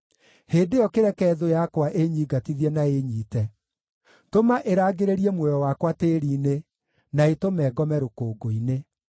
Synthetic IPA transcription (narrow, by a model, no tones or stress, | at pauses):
heːndejɔkeɾɛkɛːðojakwaʔeɲiːɡatiðjɛnaeɲiːtɛ | tomaʔeɾaːɡeɾeɾiɛmwɛjɔwakwateɾiːne | naetomɛːɡɔmɛɾokoːɡoine